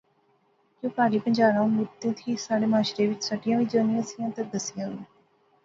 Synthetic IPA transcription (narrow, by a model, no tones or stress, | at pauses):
kõːpaːɾiːpəɲd͡ʒaːɾãːmʊd̪ẽːt̪ʰiːsaːɽeːmaːʃɾeːʋɪt͡ʃsəɖijãːʋiːd͡ʒəːnĩəsijãːt̪əd̪əsijãː